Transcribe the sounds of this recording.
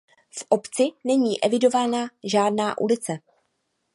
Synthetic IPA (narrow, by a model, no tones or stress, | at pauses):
fʔo̞pt͡sɪnɛɲiːʔɛvɪdo̞vaːnaʒaːdnaːʔṵlɪt͡sɛ